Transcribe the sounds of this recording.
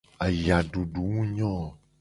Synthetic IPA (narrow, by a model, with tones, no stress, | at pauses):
a˨ja˨ɖu˨ɖu˨ŋũ˦ɲɔ̃˦˨